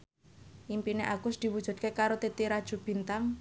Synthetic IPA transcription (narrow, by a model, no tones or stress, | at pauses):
ʔimpineʔaɡ̥ʊsd̪̥i̤wud̥ʒ̥ṳd̪̚kekaɾot̪et̪iɾad̥ʒ̥ṳb̥i̤nt̪aŋ